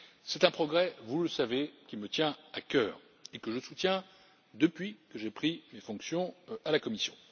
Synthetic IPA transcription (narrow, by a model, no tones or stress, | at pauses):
sɛt̪ɛ̃pχɔɡʁɛvuləsavekʲimət̪jɛ̃akʲœːʁ | ekəʒəsut̪jɛ̃ | d̪əpɥikəʒepχimefɔ̃ksjɔ̃alakɔmisjɔ̰̃